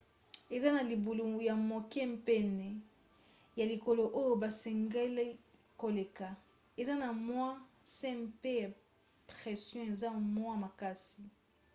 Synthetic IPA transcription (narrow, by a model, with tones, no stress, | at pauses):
e˨za˦na˨li˨bu˨lu˨ja˨mo˨kɛ˦mpɛ˦nɛ˨ | ja˨li˨ko˨lo˨ʔo˦jo˦ba˨sɛ˨ŋɡe˦le˦ | ko˨le˨ka˨ | e˨za˦na˨mwa˦sɛ̃˦mpe˦ja˨ | pʁɛ˨sjɔ̃˦e˨za˦mwa˦ma˨ka˦si˨